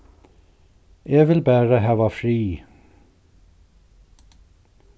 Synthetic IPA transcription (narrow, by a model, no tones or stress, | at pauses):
ʔeːʋɪlbæːɾəɦæːʋɑːfɾiː